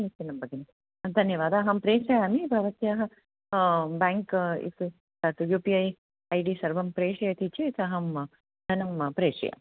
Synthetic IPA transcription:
it̪ːinːɐmbɐɡini | d̪ʱɐnjɐʋaːd̪aːɦɐmpɾeːʂɐjɐmibʱɐʋɐt̪jaːɦɐ | baːŋkḭsɨ | sɐt̪ujuːpiɐj | ɐjɖiːsɐɾbɐmpɾeːʂɐjɐt̪it͡ʃeit̪ɐɦɐm | d̪ʱɐnɐmpɾeːʂɐ̰jɐ̰

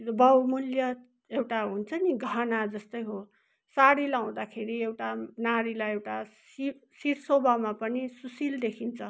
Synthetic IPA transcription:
bʌwmuljʌ | ewʈaɦunt͡sʰʌniɡʱʌnad͡zʌst̪ʌjɦo | saɽilaw̃d̪akʰeɾiewʈanaɾilajewʈasisiɾsobʱamapʌnisusild̪ekʰint͡sʰʌ

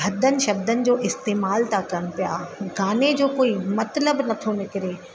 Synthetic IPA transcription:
ɦɐd̪ənɪ̆ʃɐbd̪ənɪ̆d͡ʑoːʔɪst̪eːmaːlt̪akɐnpija̰ːɡaːned͡ʑoːkoːimɐt̪ləbnɐt̪ʰonɪkɪɾeː

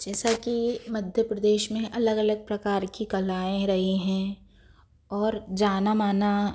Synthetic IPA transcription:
d͡ʒɛːsakimɐd̪ʱjəpɾɐd̪eːʃmẽʔɐləɡɐləɡ̚pɾɐkaːɾkikɐlaːẽɾɐɦiɦɛ̃ | ɔːɾd͡ʒaːnamaːna

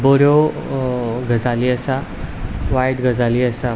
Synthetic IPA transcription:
boɾjo | ɡʱəd͡zaliːəsa | ʋajd̪ɡʱəd͡zaliːəsa

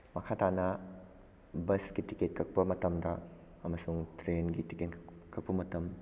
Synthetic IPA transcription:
mɐkʰatanɐ | bɐsɡitiket̚kʰɐk̚pɐmɐtɐmdɐ | ɐmɐsuŋtɾenɡitiketkkʰɐk̚pɐmɐtɐm

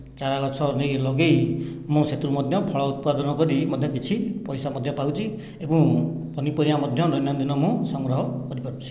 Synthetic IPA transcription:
t͡ʃaɾaɡɔsʰɔnejlɔɡejmũset̪uɾumɔd̪ʱjɔpʰɔɭɔut̪̚pad̪ɔnɔkɔɾimɔd̪ʱjɔkit͡ʃʰipɔjsamɔd̪ʱjɔpawt͡ʃʰi | ebũpɔnipɔɾiamɔd̪ʱjɔnɔjnjɔnd̪inɔmũsɔŋɡɾɔɦɔkɔɾipaɾũt͡ʃʰi̥

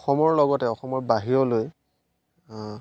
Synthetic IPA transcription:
ɔxɔmɔɹlɔɡɔtɛɔxɔmɔɹbaɦiɹɔloj

